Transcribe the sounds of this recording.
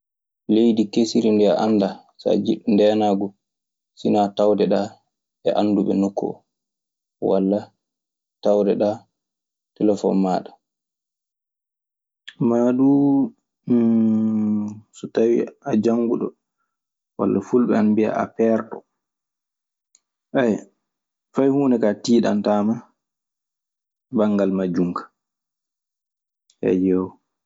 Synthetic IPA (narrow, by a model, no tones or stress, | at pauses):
lejdikesiɾindɛaʔanːda | sa̰d͡ʒiɗndɛːnaɡɔ | sinatawdɛɗa | ɛ̰ʔanːduɓɛnokːɔ̰ | wa̰lːa | tawdɛɗa | tɛlɛfɔ̰nmaɗḁ | maːɗu | sɔtawḭad͡ʒaŋɡuɗɔ | wa̰lːafulɓɛanbia̰a̰pɛɾɗɔ̰ | ʔaj | fajhuːnɛkatiːɗantaːma | baŋːɡalmad͡ʒuŋkḁ | hɛ̰jɛwɔ